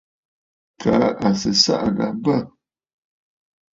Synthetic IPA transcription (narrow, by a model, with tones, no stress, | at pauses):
kʰa˨˦a˨sə˨sa̰˦ʔa˨ɡa˨bə˦˨